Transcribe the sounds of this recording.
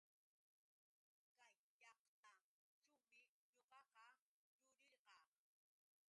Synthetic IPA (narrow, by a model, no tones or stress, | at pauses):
kajːɑqt̪a | ʈ͡ʂt͡ʃawmɪ | ɲoqɑqɑ | jʊɾɪɾqɑː